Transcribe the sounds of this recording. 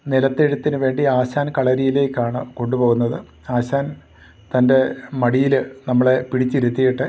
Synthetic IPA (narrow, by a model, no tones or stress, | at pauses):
nilɐt̪ːeɽut̪ːinɨʋe̞ːɳɖiaːɕaːnkɐɭɐɾijile̞ːkʲːaːɳɨko̞ɳɖupo̞ːɣunːɐðɨ | aːɕaːn | t̪ɐnde̞mɐɽijilnɐmːɐɭepiɽit͡ɕːiɾut̪ːijiʈːɨ